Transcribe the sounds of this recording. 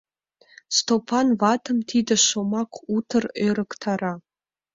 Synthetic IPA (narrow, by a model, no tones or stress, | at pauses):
stʰopʰanvatʰɨmtʰidɐʃomakʷʰutʰɨrerɨktʰara